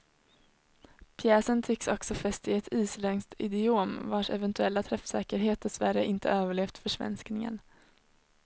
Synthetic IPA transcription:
pʰjɛːsənt̪ʰɪkːsɔksɔfɛst̪ɪɛt̪ʰiːslɛŋst̪ɪd̪ɪoːmvaʂɛ̰vɛnt̪ɵɛlːat̪ʰɾɛfsɛ̰ːkəɾɦeːt̪̚d̪ɛsvæɾə̰ʔɪnt̪ʰə̰øːvəɭeːft̪fœʂvɛ̰nsknɪŋə̰n

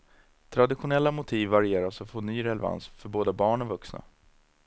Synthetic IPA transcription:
t̪ʰɾad̪ɪɧʊnɛlːamʊt̪ʰiːvːaɾɪeːɾasɔfoːnyːɾɛlɛva̰nsfœɾboːd̪abɑːɳɔvɵksna̰

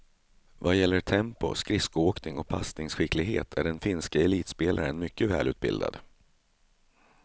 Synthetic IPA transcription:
vajɛlːəʈʰɛmpʊ̰skɾɪskʊoːknɪŋɔpʰast̪ɪŋsɧɪklɪɡɦeːt̪ʰæɖɛnfɪnskaɛliːt̪speːlʔaɾənmʏkːəvɛ̰ːlʉ̟ːt̪̚bɪ̰ld̪a̰d̪̥

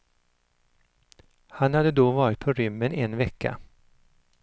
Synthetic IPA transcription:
hanhad̪əd̪ɔvɑːɾɪt̪̚pʰɔɾʏmːənɛnvɛkːa̰

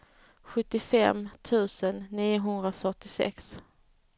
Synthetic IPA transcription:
ɧɵt̪ːɪfɛmt̪ʰʉ̟ːsənːiːʊɦɵnd̪ɾafœʈɪsɛ̰ks

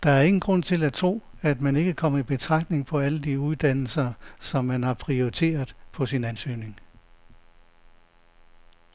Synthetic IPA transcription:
d̥ɑ̈æɐe̝ŋn̩ɡ̥ʁɔ̽n̰t͡sʰe̝læt͡sʰʁo̝̰ː | æd̥mæne̝ɡ̥əkʰɒ̽m̰ɐib̥e̝t͡sʰʁɑ̈ɡ̥d̥ne̝ŋpʰɒ̽æləd̥iuðˠd̥æn̰l̩sɐsɒ̽mːænhɑ̈pʰʁioit͡sʰe̝̰ːɐðˠpʰɒ̽sinænsy̰ːne̝ŋ

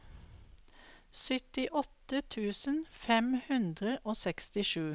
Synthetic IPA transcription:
sʏt̪ɪʔɔt̪ət̪ʰʉːsənfɛmhʉnd̪ʁəʔoːsɛkst̪ɪʃʉː

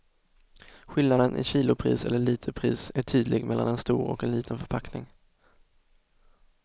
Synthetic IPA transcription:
ɧɪlnad̪ənʔɪ̰ɕiːlʊpʰɾḭːsɛ̰lːəɭiːt̪ʰəpʰɾiːsæʈʰyːd̪lɪɡmɛlːa̰nɛnst̪uːɾɔ̰kɛnliːt̪ʰənfœɾpʰaknɪŋ

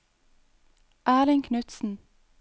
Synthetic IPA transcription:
ʔæːɾɪŋkʰnʉt̪sn̩

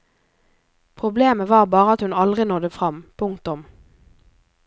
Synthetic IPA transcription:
pʰʁʊbleːməʋɑːʁbɑːʁəɑt̪hʉnɑld̪ʁɪnoːd̪efʁɑmpʰʊŋt̪ʊm

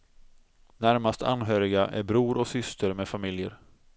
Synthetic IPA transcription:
næɾmast̪ʰa̰nɦøːɾɪɡaʔæ̰ɾbɾuːɾɔksʏst̪ʰəɾmeːfamɪljə̰ɾ

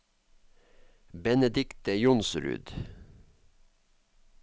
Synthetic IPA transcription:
bɛnəd̪ɪkt̪əjʊnsɾʉ̰ːd̪

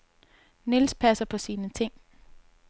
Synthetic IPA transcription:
nelspʰæsɐpʰɒ̽siːnət͡sʰe̝ŋ̰

